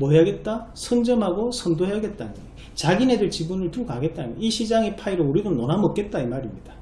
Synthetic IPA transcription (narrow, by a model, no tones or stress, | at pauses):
mojaɡe̞t̚t͈asʰʌnd͡ʑʌmɦaɡosʰʌndoɦjaɡe̞t̚t͈an | t͡ɕaɡine̞dɯɭt͡ɕibunɯɭtukaɡe̞t̚t͈amʌiɕʰid͡ʑaŋipʰaiɾouɾiɡʌnnonamʌk͈e̞t̚t͈aimaɾimɲid̥ḁ